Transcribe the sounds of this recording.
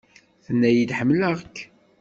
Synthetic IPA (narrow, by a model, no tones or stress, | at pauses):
θənːæjid̪ħəmːləʁəkː